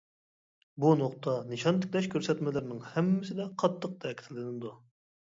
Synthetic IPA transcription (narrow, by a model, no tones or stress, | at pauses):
bunoqt̪ʰɑnɨʃɑnt̪ʰɪ̥kʲlɛʃkʲʰøɾsɛt̪mɪlɪɾnɨŋhɛmːɪsɪd̪ɛqʰɑt̪ʰːəq̚t̪ʰɛkʲɪ̥t̪ʰɪlɪnɪd̪u